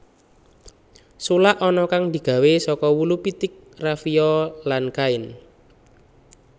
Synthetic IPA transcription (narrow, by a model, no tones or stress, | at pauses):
sulaʔɔnɔkaŋd̪̥i̤ɡ̥a̤wesɔkɔwulupit̪ɪk̚rafiɔlankaɪn